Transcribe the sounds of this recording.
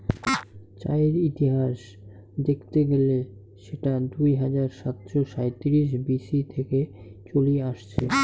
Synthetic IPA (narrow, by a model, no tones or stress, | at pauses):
t͡ɕa̰eɾit̪iɦaʃ | d̪ekʰt̪eɡele | ʃeʈad̪ujɦad͡ʑaɾʃat̪ʃoʃajt̪iɾiʃ̬bisit̪ʰeket͡ɕolieaʃt͡ɕʰe